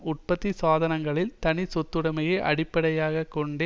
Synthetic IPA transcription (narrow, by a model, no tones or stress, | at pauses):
ʊʈ̚pɐt̪ːisaːðɐnɐŋɡɐɭɪlt̪ɐnɪsɔt̪ːɯɽɐmɐjɐʔɐ̰ɽɪpːɐɽɐjaːɣɐkːɔɳɖe